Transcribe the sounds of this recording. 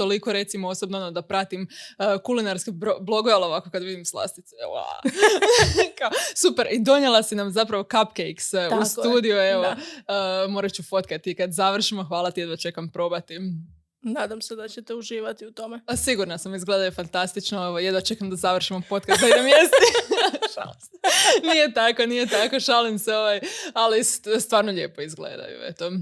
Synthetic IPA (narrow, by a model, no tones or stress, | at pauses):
t̪o̞likoɾe̞t̪simoosobnoonod̪apɾat̪iməkulinaɾskeboblˠo̞ɡoeolˠoʋakokad̪ʋid̪imslˠa̰st̪it̪sḛa̰ | kaosupe̞ɾʔid̪o̞ɲjelˠasinamzapɾaʋo̞kapkejksusuːd̪ijueʋoəmo̞ːɾat͡ɕufo̞t̪kat̪ikad̪zaʋr̩ʃimoxʋaːlˠat̪ijed̪ʋat͡ʃe̞kampɾo̞bat̪i | naːd̪amsed̪at͡ɕet̪euʒiːʋat̪iut̪omesiɡuɾnasamizɡled̪ajufant̪ast̪it͡ʃnooʋajed̪ʋat͡ʃekamd̪azaʋr̩ʃimopo̞t̪kast̪d̪aid̪emjest̪i | a | nijet̪akonije̞t̪akoʃalimseo̞ʋajalisst̪ʋaːɾnoʎe̞ːpo̞izɡlḛd̪a̰jṵḛt̪o